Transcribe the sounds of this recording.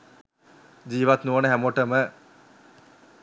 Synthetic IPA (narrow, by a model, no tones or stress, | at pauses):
d͡ʑiːʋat̪nuənəɦæmoʈəmə